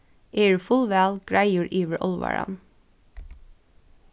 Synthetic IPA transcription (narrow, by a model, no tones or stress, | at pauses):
ʔeːɹʉfʊlʋæːlɡ̥ɹæɪjuːɹʔiːʋəɹʔɔlʋɑ̰ɹɑ̰n